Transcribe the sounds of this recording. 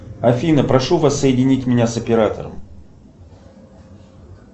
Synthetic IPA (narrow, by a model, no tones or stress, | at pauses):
ɐfʲinəpɾɐʂuvasːəjɪdʲɪnʲitʲmʲɪnʲasəpʲɪɾat̪ə̰ɾə̰m